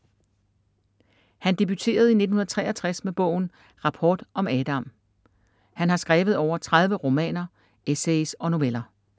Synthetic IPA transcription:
hænd̥e̝b̥yt͡sʰe̝̰ːɐð̞ˠine̝d̥n̩hunɐð̩ˠt͡sʰʁɛ̰ːʔɐt͡sʰʁasmeb̥ɔ̰̽ʊ̰n̩ | ʁɑ̈pʰɒːd̥ʔɒ̽mɛːd̥ɑ̈m | hænhɑ̈sɡ̥ʁaːʋð̞̩ˠɒʊ̰ɐt͡sʰʁað̞ˠʋəʁo̝mɛ̰ːnɐ | esesɒ̽no̝ʋelɐ

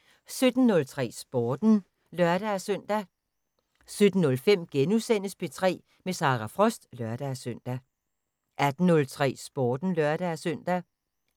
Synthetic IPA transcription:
sød̥n̩ːɔ̽lt͡sʰʁɛ̰ːsb̥ɒːd̥n̩ | lɶɐd̥ææsœn̰d̥æ | sød̥n̩ːɔ̽lfem̰ɡ̥enusen̰əspʰe̝t͡sʰʁɛ̰ː | mesɑ̈ːʁɑfʁɒ̽sd̥lɶɐd̥æsøn̰d̥æ | ʔæd̥n̩ːɔ̽lt͡sʰʁɛ̰ːsb̥ɒːd̥n̩lɶɐɾ̥ææsœn̰d̥æ

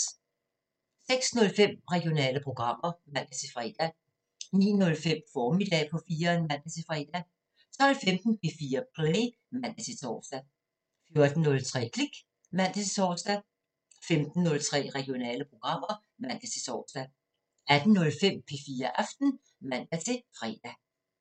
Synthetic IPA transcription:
seɡ̥snɔ̽lfem̰ʁɛɡ̥io̝nɛ̰ːləpʰʁo̝ɡ̥ʁɑ̈m̰ɐmæn̰d̥æsʰe̝fʁḭd̥æ | nḭːnɔ̽lfem̰fɒːmid̥ɛːpʰɒ̽fiːɐnmæn̰d̥æsʰe̝fʁḭd̥æ | t͡sʰɒ̽l̰femd̥n̩pʰe̝fiːɐpʰʁleː | mæn̰d̥æt͡sʰe̝t͡sʰɒ̰ːsd̥æ | fjo̝ɐd̥n̩nːɔ̽lt͡sʰʁɛ̰ːkʰliɡ̥ | mæn̰d̥æt͡sʰe̝t͡sʰɒːsd̥æ | femd̥n̩ːɔ̽lt͡sʰʁɛ̰ːʁɛɡ̥io̝nɛ̰ːləpʰʁo̝ɡ̥ʁɑ̈m̰ɐ | mæn̰d̥æt͡sʰe̝t͡sʰɒ̰ːsd̥æ | æd̥n̩nɔ̽lfem̰pʰe̝fiːɐʔɑfd̥n̩ | mæn̰d̥æt͡sʰe̝fʁɛ̰ːd̥æ

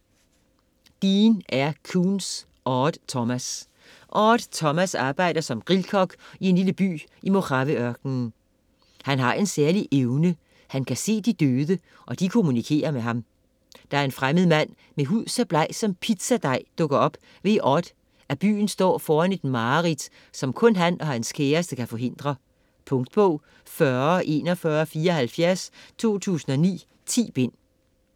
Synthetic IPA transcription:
d̥iːnʔæɐkʰuːns | ʔɒːd̥t͡sʰɒmæs | ʔɒːd̥t͡sʰɒ̽mæsɑ̈ːb̥ɑ̈ɪ̰d̥ɐsɒ̽mɡ̥ʁilkʰɒ̽ɡ̥ie̝nliləb̥y̰ːʔimo̝kʰɑ̈ʋiœɐɡ̥nn | hænɦɑ̈ʔe̝nsæɐliʔeʊnə | hænkʰæse̝̰ːd̥id̥øːðˠə | ʔɒ̽d̥ikʰo̝munikʰe̝̰ːɐmeɦɑ̈m | d̥ɑ̈æɐe̝nfʁaməð̞̩ˠmæn̰ | meɦuð̰ˠsæb̥lɑ̈ɪ̰sɒ̽mpʰid̥sæd̥ɑ̈ɪ̰d̥ɔ̽ɡ̥ɐɒ̽b̥ | ʋe̝ʔɒd̥ | æb̥y̰ːn̩sd̥ɒ̰ːfɒːæne̝d̥mɑ̈ːʁid̥ | sɒ̽mkʰɔ̽nɦænɒ̽hænskʰeːɐsd̥əkʰæfɒ̽ɦe̝n̰d̥ʁɐ | pʰɔ̽ŋd̥b̥ɔʊ̰ | fɶɐʔe̝̰ːnɒ̽fɶːɐfiːɐɒ̽ɦælfjæɐst͡sʰo̝̰ːt͡sʰṵːsn̩ɒ̽nḭː | t͡sʰḭːb̥e̝n̰

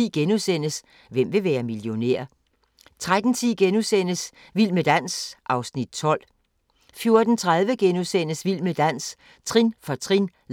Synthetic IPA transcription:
iɡ̥enusen̰əs | ʋem̰ʋe̝ʋæːɐmiljo̝nḛɐ̰ | t͡sʰʁad̥n̩t͡sʰiɡ̥enusen̰əs | ʋil̰məd̥æn̰sʔɑ̈ʊsnid̥̚t͡sʰɒ̽l̰ | fjo̝ɐd̥n̩t͡sʰʁað̞ˠʋəɡ̥enusen̰əsʋil̰məd̥æn̰s | t͡sʰʁinfɒt͡sʰʁin

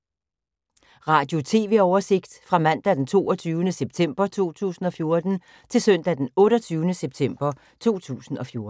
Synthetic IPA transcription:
ʁɑ̈ːd̥jo̝t͡sʰe̝̰ːʋe̝̰ɒʊɐse̝ɡ̥d̥fʁɑ̈mæn̰d̥æd̥ent͡sʰo̝̰ːɐt͡sʰyːʊənəseb̥̚t͡sʰem̰b̥ɐt͡sʰo̝̰ːt͡sʰṵːsn̩ɒ̽fjo̝ɐd̥n̩ | t͡sʰe̝lsœn̰d̥æd̥enɔ̽ːɾɐt͡sʰyːʊnəseb̥̚t͡sʰem̰b̥ɐ | t͡sʰo̝̰ːt͡sʰṵːsn̩ɒ̽fjo̝ɐ

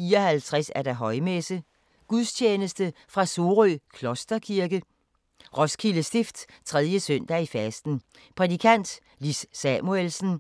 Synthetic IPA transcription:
iɒhælt͡sʰʁɛsæɐɾ̥æɦɒ̽ɪmesə | ɡ̥uðˠst͡ɕʰeːnəsd̥əfʁɑ̈so̝ʁykʰlɔ̽sd̥ɐkʰiɐɡ̥ə | ʁɒ̽skʰiləsd̥ifd̥ | t͡sʰʁɛðˠjəsøn̰d̥æifæsd̥n̩ | pʰʁɛd̥ikʰæn̰d̥ | lisːæmuelsn̩

